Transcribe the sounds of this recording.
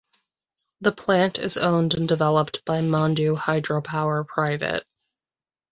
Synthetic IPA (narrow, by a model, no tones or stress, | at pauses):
ðəpʰl̥æ̃ntʰɪ̰zõʊ̃ndɨ̃ndɨvɛlˠəp̚tb̥aɪmɑ̃ndʉhaɪdɹoʊpʰaʊə˞pʰɹ̥aɪvɨ̰t̚